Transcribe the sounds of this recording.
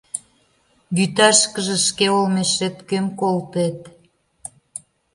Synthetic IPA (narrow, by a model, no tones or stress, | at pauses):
βyt̪ɑʃkəʒĕʃkeolmeʃet̪kemkolt̪et̪̚